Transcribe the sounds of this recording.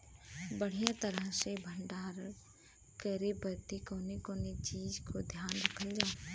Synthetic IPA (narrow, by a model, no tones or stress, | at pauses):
bəɽ̤ijãt̪əɾəɦsebʱəɳɖaːɾ | kəɾebəɾt̪ikoːnekoːnet͡ʃiːd͡ʒkod̪ʱjaːnɾəkʰəld͡ʒaː